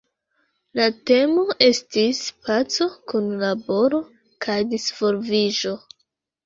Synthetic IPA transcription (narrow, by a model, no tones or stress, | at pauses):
late̞mo̞ʔe̞stispat͡so̞kunlabo̞ɾo̞ | kʰajdisfo̞ɾviʒo̞